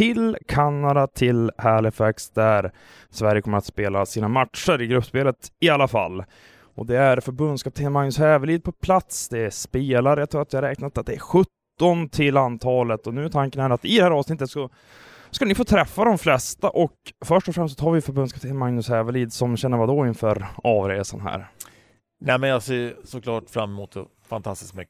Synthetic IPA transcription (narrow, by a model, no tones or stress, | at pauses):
t̪ʰɪlkʰanːad̪at̪ʰɪlhæɭɪfɛksd̪æɾ | svæɾjəkʰɔmːəɾat̪speːlasiːnamat̪ʂəɾɪɡɾɵpːspeːlət̪ɪalːafa̰lː | ʔɔ̰d̪ɛæɾfœɾbɵnd̪skɑːp̚t̪ʰeːnmaŋnɵshɛːvəliːd̪̚pʰɔpʰlat̪sd̪ɛspeːlaɾəjat̪ʰɾuːat̪vɪhaɾɛːknat̪ːat̪̚d̪ɛːɾɧɵt̪ːɔnt̪ʰɪlːant̪ʰɑːlət̪ɔnʉ̟ːt̪ʰaŋkənɛːɾat̪ɪd̪ɛhæːɾɑːvsnɪt̪ːət̪ska | skanɪfoːt̪ʰɾɛfːad̪ɔmflɛst̪aʔɔkfœʂʈɔfɾɛmst̪ɔt̪ʰɑːɾvɪfœɾbɵnskɑːpt̪ʰeːnmaŋnɵsɛːvəliːd̪sɔmɕɛnːəɾvad̪oɪnfœːɾɑːvɾeːsa̰nɦæ̰ːɾ | næːmɛnjɑːseːsɔkʰlɑːʈfɾamːɛmuːt̪ɛ̰ | fa̰nt̪ʰast̪ɪ̥skmʏkː